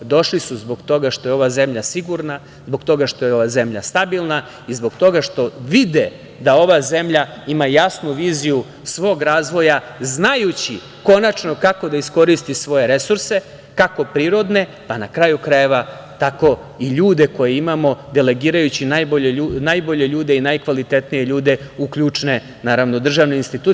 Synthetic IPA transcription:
d̪o̞ʃlisuzbo̞ɡt̪o̞ɡaʃt̪o̞jeo̞ʋaze̞mʎasiɡuɾna | zbo̞ɡt̪o̞ɡaʃt̪o̞jeo̞ʋaze̞mʎa̰st̪abilˠna | izbo̞ɡt̪o̞ɡaʃt̪o̞ʋid̪e | d̪ao̞ʋaze̞mʎaimajasnuʋiːziju | sʋo̞ːɡɾaːzʋo̞ja | znajut͡ɕi | ko̞nat͡ʃno̞kako̞d̪aisko̞ɾist̪isʋo̞je̞ɾe̞suɾse̞ | kako̞pɾiːɾo̞d̪ne̞ | panakɾajukɾaje̞ʋa | t̪ako̞ | iʎuːd̪e̞ko̞jeimamo̞d̪e̞le̞ɡiːɾajut͡ɕinajboʎeunajbo̞ʎe̞ʎuːd̪e̞inajkʋalit̪e̞t̪nije̞ʎuːd̪e̞ukʎut͡ʂne̞ | naːɾaʋno̞d̪r̩ʒaːʋne̞inst̪it̪uː

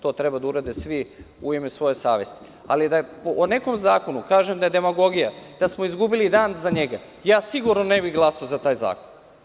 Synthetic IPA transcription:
t̪o̞ːt̪ɾe̞bad̪auɾad̪esʋi | uimesʋo̞je̞sa̰ːʋest̪i̥ | a̰lid̪apoʔone̞ko̞mzaːko̞nukaːʒemd̪aed̪e̞maɡo̞ɡijad̪̥asmo̞izɡubilid̪aːnzaɲeɡa | jaːsiɡuɾnone̞biɣɡlˠasaozat̪aːjza̰ːko̥n

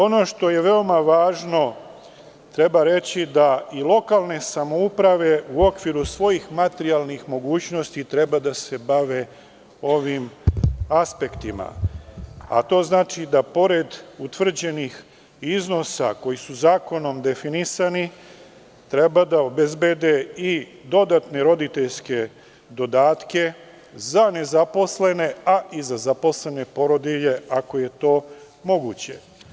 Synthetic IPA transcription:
o̞no̞ːʃt̪o̞je̞ʋeo̞maʋaːʒno̞ | t̪ɾe̞baɾe̞t͡ɕid̪ailˠo̞kalˠne̞samo̞upɾaʋe̞uo̞kʋiɾusʋo̞jixmat̪eɾialˠnixmo̞ɡuːt͡ɕno̞st̪it̪ɾe̞bad̪ase̞baʋe̞ | o̞ʋimaspe̞kt̪ima̰ | a̰t̪o̞ːznaːt͡ʃid̪apo̞ɾe̞d̪ut̪ʋr̩d͡ʑe̞nix | izno̞sa̰ko̞jisuzaːko̞no̞md̪e̞finisani | t̪ɾe̞bad̪ao̞be̞zbed̪eid̪o̞d̪at̪ne̞ɾo̞d̪it̪e̞ʎske̞ | d̪o̞d̪aːt̪ke̞ | zane̞zapo̞sle̞ne̞aʔizazapo̞sle̞ne̞po̞ɾo̞d̪iʎe̞ako̞je̞t̪o̞ː | mo̞ɡuːt͡ɕe̞̰

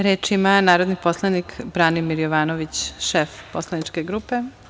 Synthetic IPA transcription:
ɾeːt͡ʃimanaːɾo̞d̪niposlˠanikbɾanimiɾjoʋaːnoʋit͡ɕʃefposlˠanit͡ʃkeɡɾupe

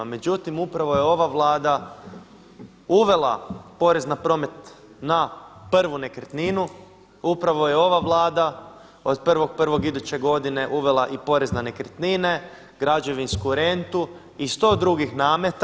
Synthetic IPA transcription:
me̞d͡ʑut̪imupɾaʋo̞jeo̞ʋaʋlˠaːd̪a | uʋe̞lˠa̰po̞ɾe̞znapɾo̞ːme̞t̪ | naprʋune̞kɾt̪ninu | upɾaʋo̞je̞o̞ʋaʋlˠaːd̪a | od̪pr̩ʋo̞ɡ̚pr̩ʋo̞ɡid̪ut͡ɕe̞ɡo̞d̪ine̞ʔuʋe̞lˠaʔipo̞ɾe̞znane̞kɾet̪nine̞ | ɡ̥ɾad͡ʒe̞ʋinskuɾe̞nt̪u | ist̪o̞ːd̪ɾuɡixnaːmet̪

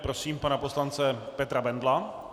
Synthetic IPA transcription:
pɾosiːmpanapo̞slant͡sɛpɛt̪ɾabɛndla

